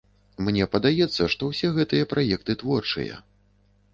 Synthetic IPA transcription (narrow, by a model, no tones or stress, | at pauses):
mnʲɛpɐd̪ajɛt̪sːɐʂt̪ɔwsʲɛɣɛt̪ɨjɐpɾʔajɛk̚t̪ɨt̪vɔrt͡ʂɨ̰jɐ̰